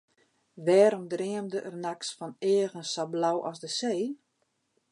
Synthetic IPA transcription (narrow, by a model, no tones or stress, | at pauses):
ʋɛːɾɔmdrɪəmdəʔərnaksfɔnɪːəɣənsablawʔɔsdəseː